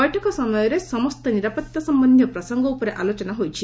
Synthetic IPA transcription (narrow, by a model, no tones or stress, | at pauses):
ɔjʈʰɔkɔsɔmɔjɔɾesɔmɔst̪ɔniɾapɐt̪jasɔmbɐnd̪ʱjɔpɾɔsɔŋɡɔupɔɾeʔalot͡ʃɔnaɦojt͡ʃʰi